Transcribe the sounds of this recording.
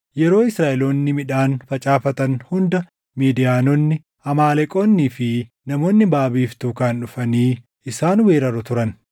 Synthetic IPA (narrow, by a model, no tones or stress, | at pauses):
jɛɾo̞ːɪsɾaːʔɛlo̞ːnːɪmɪᶑaːnfɐt͡ʃʼaːfɐt̪ɐnhʊnd̪ɐ | miːd̪ɪjaːnonːɪ | ɐmaːlɛkʼo̞ːnːiːfɪ | nɐmo̞ːnːɪbaːbiːft̪uːkaːnᶑʊfɐniː | ɪsaːnweːɾɐɾʊt̪ʊɾɐn